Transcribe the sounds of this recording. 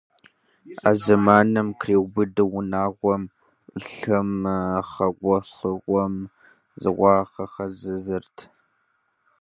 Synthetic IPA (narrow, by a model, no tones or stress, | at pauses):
a̰ːzɨmaːnɨmkʰreːwbɨdɨwʊnaːʁʷɔm | ɬɨmχɐʁʷɔɬɨʁʷɔm | zɨ̰ʁʷɑːχɐχɐzɨzɨrtʰ